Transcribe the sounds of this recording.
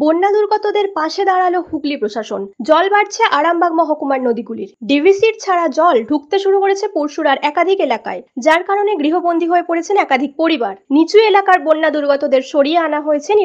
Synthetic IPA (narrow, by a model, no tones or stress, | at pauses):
bonːad̪uɾɡɔt̪od̪eɾpaʃed̪aɾalohuklipɾoʃaʃond͡ʑɔlbaɾt͡ɕʰeʔaɽambaɡmɔɦokumaɾnod̪iɡuliɾɖibʱisiɾt͡ɕʰaɾad͡ʑɔlɖʱuk̚t̪eʃuɾukoɾet͡ɕʰepuɾʃuɾaɾɛkad̪ʱikelaka̰ed͡ʑaɾkaɾoneɡɾiɦobond̪ʱiɦoepoɽet͡ɕʰenɛkad̪ʱik̚poɾibaɾnit͡ɕujelakaɾbonːad̪uɾɡɔt̪od̪eɾʃoɽieanaɦojet͡ɕʰeni